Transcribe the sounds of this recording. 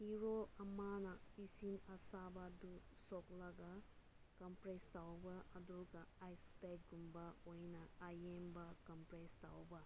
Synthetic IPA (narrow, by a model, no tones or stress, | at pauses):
hiɾoɐmanɐisinɐsabadusɔklɐɡa | kɐmpɾestawbɐɐduɡɐːjspek̚ɡumbɐojnɐajembɐkɐmpɾestawbɐ